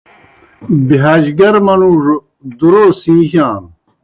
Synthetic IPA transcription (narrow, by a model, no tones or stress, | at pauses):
biɦaːd͡ʑɡɐɾmɐnuːʐ | d̪uɾoːsĩːɕãːn